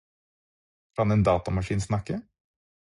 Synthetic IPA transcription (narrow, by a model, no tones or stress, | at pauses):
kʰɑnɛːnd̪ɑːt̪ɑmɑʂiːnsnɑkə